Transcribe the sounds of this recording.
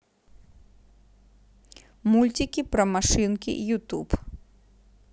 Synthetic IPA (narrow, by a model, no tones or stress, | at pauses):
mulʲtʲikʲipɾɐmaʂɨnkʲḭʔjut̪up